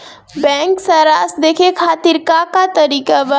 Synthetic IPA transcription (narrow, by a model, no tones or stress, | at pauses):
bɛ̃ːŋksəɾaːsd̪eːkʰekʰaːt̪iɾkakat̪əɾiːkabə